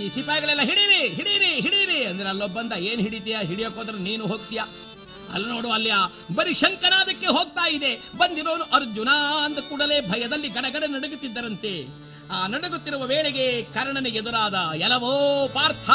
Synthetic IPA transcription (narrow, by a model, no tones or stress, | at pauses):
iːsipaːjɡɐɭɛlːɐɦiɽiɾiɦiɽiɾiɦiɽiɾiɐnd̪ɐɾeɐlːobːɐnd̪ɐeːnɦiɽit̪ijaɦiɽijoːkoːd̪ɐɾɐniːnuɦoːɡ̚t̪ija | ɐ̰lːno̞ːɽuɐlːjaː | bɐɾiʃɐŋkɐnaːd̪ɐkːe̞ɦoːɡ̚t̪aːjid̪e̞ | bɐnd̪iɾoːnuʔɐɾd͡ʒunaɐnd̪ɐkuːɽɐle̞ːbʱɐjɐd̪ɐlːiɡɐɽɐɡɐɽenɐɽuɡut̪ːid̪ːɐɾɐnt̪e̞ | aːnɐɽuɡut̪ːiɾuʋɐʋeːɭeɡe̞kɐɾɐɳɐneed̪uɾaːd̪ɐɛlɐʋoːpaːɾt̪ʰɐ